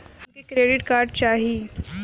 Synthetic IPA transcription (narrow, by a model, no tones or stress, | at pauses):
hɐnkekɾeːɖɪʈkaːɾɖ̚t͡ʃaːɦieː